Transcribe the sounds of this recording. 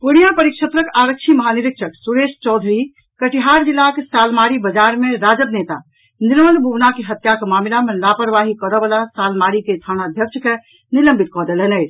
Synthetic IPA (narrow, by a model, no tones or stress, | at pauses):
puɽijapəɾikʃət̪ɾəkaɾək̚t͡ʃʰiməɦaniɾikʃʰəksuɾest͡ʃɔd̪ʱɾi | kəʈiɦaɾd͡ʒilːakesalmaɾibəd͡ʒaɾmeɾad͡ʒəbnet̪a | niɾmənbʱubnakeɦət̪jakemamilamelapəɾʋaɦikɔɾɔbəlasalmaɾiket̪ʰañaəd̪ʱjək̚t͡ʃʰke | niləmbʱit̪̚kɔd̪elənət͡ʃʰ